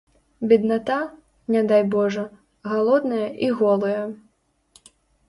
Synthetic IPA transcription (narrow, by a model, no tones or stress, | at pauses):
bʲid̪nat̪a | nʲad̪ajbɔʐɐ | ɣalˠɔd̪nɐjɐʔiɣɔlˠɐjɐ